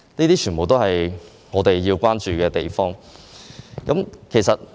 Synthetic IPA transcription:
niː˥t̪iː˥t͡ʃʰyː˨˩mo˨wt̪o˥whɐ˨j | ŋɔː˨˧t̪e˨jːi˧wkʷaː˥nt͡ʃyː˨kɛː˧t̪e˨jfɔː˥ŋ | kɐ˨˥mkʰe˨˩jsɐ˨t̚

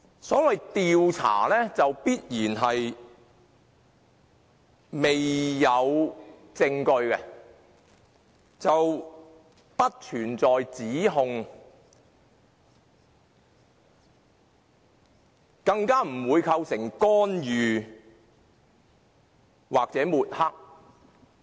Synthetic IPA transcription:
sɔː˨˥wɐ˨jt̪iː˨wt͡sʰa̰ː˨˩lɛː˥t͡sɐ˨wpiː˥t̚jiː˨˩nɦɐ˨j | me˨jːɐ˨˧w | t͡sɪ˧ŋkɵ˧ɥkɛ˧ | t͡sɐ˨w | pɐ˥t̚t͡ʃʰyː˨˩nt͡sɔː˨jt͡siː˨˥ɦʊ˨˧ŋ | kɐ˧ŋkaː˥m̩˨˩wuː˨˧jkʰɐ˧wsɪ˨˩ŋkɔː˥njyː˨ | waː˨k̚t͡sɛː˨˥muː˨t̚hɐ˥k̚

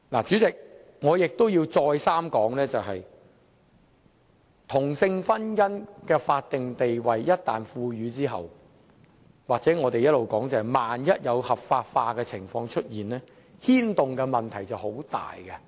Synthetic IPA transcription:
la̰ː˨˩t͡ʃyː˨˥t͡sɪ˨k̚ | ŋɔː˨˧jɪ˨k̚t̪o˥wjiː˧wt͡sɔː˧jsaː˥mkɔː˨˥ŋlɛː˥t͡sɐ˨wɦɐ˨j | t̪ʰʊ˨˩ŋsɪ˧ŋfɐ˥njɐ˥nkɛː˧faː˧t̚t̪ɪ˨ŋt̪e˨jwɐ˨jːɐ˥t̚t̪ːaː˨nfuː˧ɥyː˨˧t͡siː˥ɦɐ̰˨w | waː˨k̚t͡sɛː˨˥ŋɔː˨˧t̪e˨jɐ˥t̚lo˨wkɔː˨˥ŋt͡sɐ˨˩hɐ˨jmaː˨njɐ˥t̚jɐ˨˧whɐ˨˩p̚faː˧t̚faː˧kɛː˧t͡sʰɪ˨˩ŋfɔː˧ŋt͡ʃʰɵ˥t̚jiː˨nlɛː˥ | hiː˥nt̪ʊ˨ŋkɛ˧mɐ˨nt̪ʰɐ˨˩jt͡sɐ˨who˨˥wt̪a̰ː˨jkɐ˧

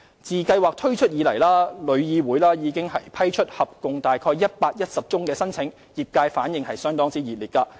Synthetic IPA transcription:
t͡siː˨kɐ˧jwaː˨k̚t̪ʰɵ˥ɥt͡ʃʰɵ˥t̚jiː˨˧lɐ˨˩jlaː˥lɵ˨˧ɥjiː˨˧wuː˨˥jlaː˥jiː˨˧kɪ˥ŋɦɐ˨jpʰɐ˥jt͡ʃʰɵ˥t̚hɐ˨p̚kʊ˨ŋt̪aː˨jkʰɔː˧jɐ˥t̚paː˧k̚jɐ˥t̚sɐ˨p̚t͡sʊ˥ŋkɛː˧sɐ˥nt͡sʰɪ˨˥ŋ | jiː˨p̚kaː˧jfaː˨˥njɪ˨˧ŋhɐ˨jsœː˥ŋt̪ɔː˥ŋt͡siː˥jiː˨˩liː˨t̚kɐː˧

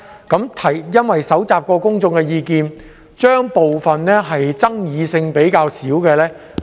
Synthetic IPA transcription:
kɐ˨˥mt̪ʰɐ˨˩jjɐ˥nwɐ˨jsɐ˨˥wt͡saː˨p̚kɔː˧kʊ˥ŋt͡sʊ˧ŋkɛː˧jiː˧kiː˨˧n | t͡ʃœː˥ŋpo˨wfɐ˨nnɛː˥ɦɐ˨jt͡sɐ˥ŋjiː˨˧sɪ˧ŋpe˨˥jkaː˧wsiː˨˥wkɛː˧lɛː˥

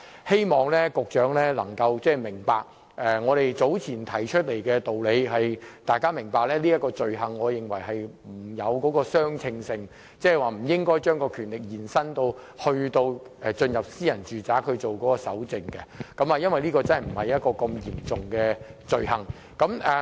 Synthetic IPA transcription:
he˥jmɔː˨ŋlɛː˥kʊ˨k̚t͡ʃœː˨˥ŋlɛː˥lɐ˨˩ŋkɐ˧wt͡sɛː˥˩mɪ˨˩ŋpaː˨k̚ | ʔɛ˨˧ŋɔː˨˧ɾe˨jt͡so˨˥wt͡sʰiː˨˩nt̪ʰɐ˨˩jt͡ʃʰɵ˥t̚le˨˩jkɛː˧t̪o˨wle˨˧jhɐ˨jt̪aː˨˧jkaː˥mɪ˨˩ŋpaː˨k̚lɛː˥liː˥jɐ˥t̚kɔː˧t͡sɵ˨ɥɦɐ˨ŋːɔː˨˧jɪ˨˩ŋwɐ˨˩jɦɐ˨jm̩˨˩jɐ˨˧wkɔː˨˥kɔː˧sœː˥ŋt͡sʰɪ˧ŋsɪ˨ŋ | t͡sɛː˥˩waː˨˩m̩˨˩jɪ˥ŋkɔː˥jt͡ʃœː˥ŋkɔː˧kʰyː˨˩nlɪ˨k̚jiː˨˩nsɐ˥nt̪o˧whɵ˧ɥt̪o˧wɛ˨˧t͡sɵ˧njɐ˨p̚siː˥jɐ˨˩nt͡ʃyː˨˩t͡saː˨˥kʰɵ˧ɥt͡so˨wkɔː˨˥kɔː˧sɐ̰˨˥wt͡sɪ˨˧ŋkɛ̰˧kɐ˨˥mɐː˨˧jɐ˥nwɐ˨jliː˥kɔː˧t͡sɐ˥nhɐ˨˩m̩˨˩hɐ˨jɐ˥t̚kɔː˧kɐ˧mjiː˨˩mt͡sʊ˨ŋkɛː˧t͡sɵ˨ɥhɐ˨ŋ | kɐ˨˥mʔɛ˨

